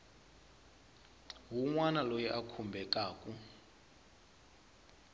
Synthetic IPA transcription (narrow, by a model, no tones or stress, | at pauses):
ɦuŋwanalojiʔakʰumbʱɛkʼaːkʼu